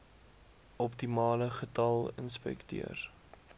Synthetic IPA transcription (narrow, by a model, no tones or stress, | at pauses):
ʔɔp̚timɑːləχətɐlˠə̰nspɛ̰ktḭər